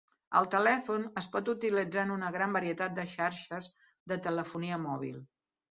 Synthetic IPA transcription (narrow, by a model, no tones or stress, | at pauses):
ə̰lˠt̪əlɛfunəspɔt̪ut̪ilid͡zanunəɣɾambəɾiət̪at̪̚d̪əʃaɾʃəz | ðət̪ələfuniəmɔβ̞ḭlˠ